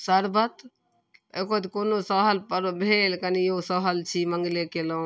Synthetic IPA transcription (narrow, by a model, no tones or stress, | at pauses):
səɾbət̪ | ekot̪konosəɦəlpəɾbʱeːlkənijosəɦəlt͡ʃʰiməŋɡlekelõ